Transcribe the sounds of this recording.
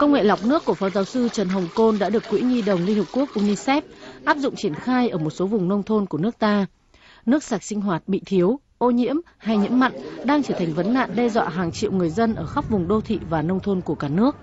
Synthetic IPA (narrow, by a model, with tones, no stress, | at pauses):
kə˧wŋ͡mŋḛ˧˨la˨˩wk͡p̚nɨ˦˥əkːu˧˩əfɔ˨˦zaː˨˦wsɨ˧t͡ɕə˨˩nɦə˨˩wŋ͡mko˧nɗa̰ː˧˥ɗɨ˨˩əkːwḭ˧˥ŋi˧ɗə˨˩wŋ͡mli˧ŋhp̚ku˦˥ək̚ʔu˧ni˧sɛ˦˥p̚ʔaː˦˥p̚zʊ̰˧˨ŋ͡mt͡ɕi˧˩ənxaː˧jʔəː˧˩mo˨˩t̚so˨˦vʊ˨˩ŋ͡mnə˧wŋ͡mt̪ʰo˧nku˧˩ənɨ˦˥ək̚t̪aː˧ | nɨ˦˥ək̚saː˨˩k̚si˧ŋ̟ɦwaː˨˩t̚ɓḭ˧˨t̪ʰi˨˦əw | ʔo˧ɲḭ˧˥əm | ha˧jɲḭ˧˥əma̰˧˨ŋɗaː˧ŋt͡ɕəː˧˩t̪ʰa˨˩ŋ̟və˨˦nːa̰ː˧˨nɗɛ˧zwa̰ː˧˨ɦaː˨˩ŋt͡ɕḭ˧˨əwŋɨ˨˩əjzə˧nʔəː˧˩xa˦˥k͡p̚vʊ˨˩ŋ͡mɗo˧t̪ʰḭ˧˨vaː˨˩nə˧wŋ͡mt̪ʰo˧nku˧˩əkaː˧˩nɨ˦˥ək̚